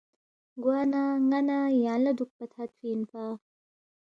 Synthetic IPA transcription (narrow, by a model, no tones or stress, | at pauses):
ɡwanaŋɐnajanlɐd̪uk̚pɐt̪ʰat̪̚winpa